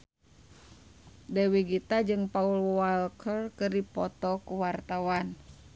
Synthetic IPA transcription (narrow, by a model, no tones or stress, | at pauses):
dɛwiɡit̪ad͡ʒɨŋpaulwalkʰərkɨrdipɔt̪ɔkuwart̪awan